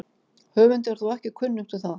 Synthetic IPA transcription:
hœːvʏnt̪̬ɛɾ̥θuɛhcɪkʰvʏnːʏm̥t̪ʰɪlθað

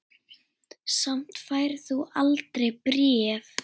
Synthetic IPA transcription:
sam̥t̪faːjɾ̥θualt̪ɾejpɾɛːv

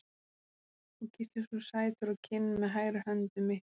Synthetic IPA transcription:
θɛcʰɪst̪ɪsusaːjɪt̪ʏɾawcʰɪnnaɦaːjɾahœnt̪ʏmɪh

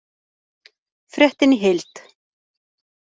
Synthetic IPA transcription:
fɾjɛht̪ɪnɪɦɪlt̪

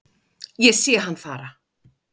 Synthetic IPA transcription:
jɛsjɛɦanːfaːɾa

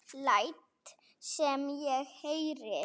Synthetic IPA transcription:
lajt̪ | sɛmjɛɣhejɾɪ

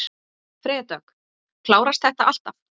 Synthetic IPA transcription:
fɾɪːt̪aœk | kʰlaːwɾast̪θɛht̪aʔal̥t̪af

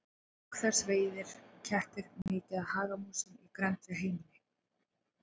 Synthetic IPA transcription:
ɔkθɛɾ̥sveːjðɪɾ̥cʰɛht̪ɪɾnɪːt̪ɪaðhaːɣamuːsʏmikɾɛnt̪ɾɪɦejmnɪ

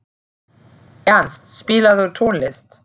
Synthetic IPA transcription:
ʔɛɐnstʃpiːləðətʰoːnlɪst

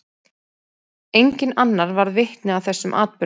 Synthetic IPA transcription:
ejɲcɪnanːaɾvaɾðvɪhk̪nɪawθɛsːʏmʔa̰ːt̪̚pʏ

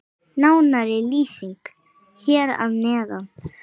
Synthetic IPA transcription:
nawnaɾɛliːsiŋk | çɛɾa̰ðnɛːðaw

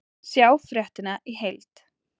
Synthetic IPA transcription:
sjaːwfɾjɛht̪ɪnaʔiɦejlt̪

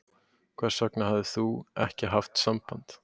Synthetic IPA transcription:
kʰvaːɾ̥sœknahavðɪθuɛhcɪɦaft̪sampant̪

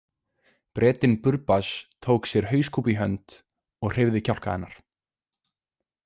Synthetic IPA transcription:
pɾɛːt̪ɪnpʏɾpast̪ʰoːwksjɛɾ̥ɦœːɥskʰuːpiɦœnt̪ | ɔɣr̥ɪvðɪcʰawl̥kaɛnːaɾ̥

